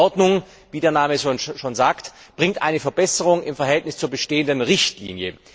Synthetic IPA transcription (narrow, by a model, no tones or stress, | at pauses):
ɔɐdnʊŋ | viːdeːɐnaːməʃoːnʃoːnzaːkt | b̥ʁɪŋtʔa̰ɪnəfɛɐbɛsəʁʊŋɪmfɛɐɦɛltnɪst͡suːɐbəʃteːəndənʁɪçtlḭːnjə